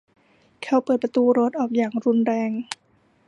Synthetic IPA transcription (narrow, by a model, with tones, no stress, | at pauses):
kʰɛ˧˩wpɤː˨˩t̪̚pɾa˧t̪uː˧ɾo˦˥t̪̚ʔɔː˨˩k̚jaː˨˩ŋɾu˧nɾɛː˧ŋ